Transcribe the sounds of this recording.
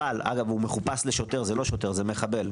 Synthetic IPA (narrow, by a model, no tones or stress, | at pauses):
alʔa̰ɡavumeχupasle̞ʃo̞te̞ʁzelo̞ʃo̞te̞ʁzeme̞χabe̞l